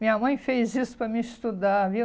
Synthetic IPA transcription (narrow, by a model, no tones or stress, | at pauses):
mĩɲɐmɐ̃j̃fejzisʊ̥pɾɐmiɪst̪ud̪avi